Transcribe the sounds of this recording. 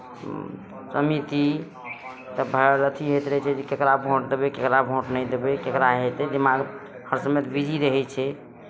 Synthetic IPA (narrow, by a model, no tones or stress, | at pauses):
səmit̪i | t̪əbʱəɾət̪ʰiɦet̪ɾəit͡ʃʰɛd͡ʒekekɾabʱõʈd̪ebekekɾabʱõʈnɛjd̪ebekekɾaɦet̪ɛd̪imaɡ | həɾsəmet̪bid͡ʒʱiɾəɦɛt͡ʃʰɛ